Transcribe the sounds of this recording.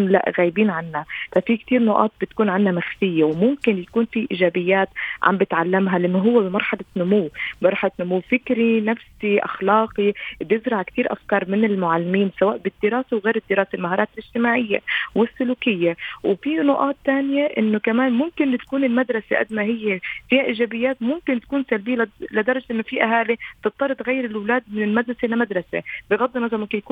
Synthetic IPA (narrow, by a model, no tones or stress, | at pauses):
nla̰ʔɣaːjbiːnʕanːafafik̚t̪iːɾnʊʔɑ̰ːt̪̚bɪt̪kuːnʕanhamaxfɪjːewmʊmkɪnjakuːnfiʔiːʒaːbɪjːaːt̪ʕa̰mbɪt̪ʕalːamɦalɪʔɪnːoɦʊwːebɪmɑɾˤħɑlanʊmuwmɑɾˤħalat̪nʊmuwfɪkɾinafsiʔa̰xlɑːqibjɪzɾɑʕkt̪iːɾʔa̰fkɑːɾˤmɪnɪlmʊʕalːɪmiːnsawaːʔbɪd̪ːɪɾɑːsewɣeːɾɪd̪ːɪɾɑːselmaɦɑːɾˤɑːt̪ɪlʔɪʒ̥t̪ɪmaːʕɪjːḛwɪsːʊluːkɪjːawfinʊʔɑːt̪ːaːnjaʔɪnːʊkamaːnmʊmkɪnt̪ḁkuːnɪlmad̪ɾˤɑseʔa̰d̪maɦɪjːefiːhaʔiːʒaːbɪjːaːt̪mʊmkɪnt̪akuːnsalbiːlɪd̪ɑɾˤɑd͡ʒʔɪnːʊfiʔaɦaːlit̪ɨtt̪ːˤɑɾˤɨt̪ɣajːɪɾɪlwlaːd̪̚mɪnɪlmad̪ɾɑselamad̪ɾˤɑsḛbɪɣɑd̪ˤːimɑzˤɑmʊmkɪnjakuː